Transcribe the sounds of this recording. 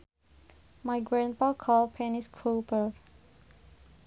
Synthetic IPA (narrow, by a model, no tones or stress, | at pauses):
maɪɡɹæ̃n̚pakʰɔlpʰɛnɪskʰɹopə